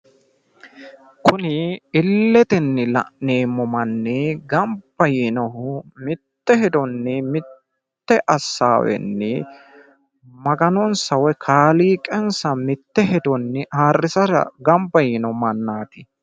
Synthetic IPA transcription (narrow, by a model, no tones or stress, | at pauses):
kʰʊnɪɪlːɛt̪ɪnːɪlɐ̰ʔneːmːɔmɐnːɪɡɐmbːɐjiːnɔhʊmɪt̪ːɛhɛd̪ɔnːɪmɪtː | ɛʔɐsːa̰ːwɛ̰nːɪ̰ | mɐɡɐnɔnsɐwɛkʰaːliːkʼɛnsɐmɪt̪ːɛɦɛd̪ɔnːɪaːrːɪsɐɾɐ̰ɡɐmbɐjiːnɔmɐnːaːt̪ɪ